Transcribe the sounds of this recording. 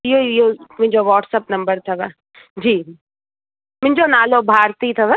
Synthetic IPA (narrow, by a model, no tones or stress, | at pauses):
jojomɪ̃nd͡ʒoʋɔːʈsɐpnɐmbəɾt̪ʰaʋɐ | d͡ʒiː | mɪ̃nd͡ʒonaːlobʱaːɾt̪iːt̪ʰaʋɐ